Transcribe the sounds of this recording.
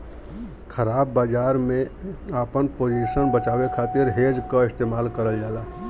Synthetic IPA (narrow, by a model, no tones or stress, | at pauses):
kʰəɾaːbːaːd͡ʒaːɾmẽaːpənpoːd͡ʒiːʃənbət͡ʃaːwekʰaːt̪ɪɾɦeːd͡ʒkaɪst̪eːmaːlkəɾəld͡ʒaːlaː